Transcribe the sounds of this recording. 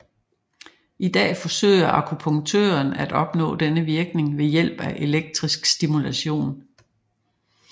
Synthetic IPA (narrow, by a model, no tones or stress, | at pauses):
id̥ɛ̰ːfɒ̽sø̰ːɪɐʔɑ̈kʰupʰɔ̽ŋt͡sʰø̰ːɐnæd̥ɒ̽b̥nɔ̰̽ːd̥enəʋiɐɡ̥ne̝ŋʋe̝jel̰b̥æʔe̝leɡ̥̚d̥ʁisɡ̥sd̥imulæɕo̝̰ːn